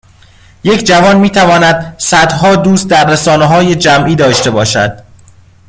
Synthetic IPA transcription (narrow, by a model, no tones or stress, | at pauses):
je̞cʰd͡ʒævɒːnmiːt̪ʰævɒːnæd̪sæd̪ɦɒːd̪uːst̪̚d̪æɾːesɒːneɦɒːje̞d͡ʒæmʔiːd̪ɒːʃt̪e̞bɒːʃæ̰d̪̥